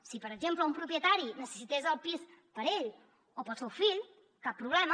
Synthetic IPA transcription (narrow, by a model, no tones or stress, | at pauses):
sipəɾəʒempləumpɾupjət̪aɾinəsə̥sit̪ezəlˠpispəɾeʎ | opɔt͡sfewfiʎ | kapːɾuβlɛm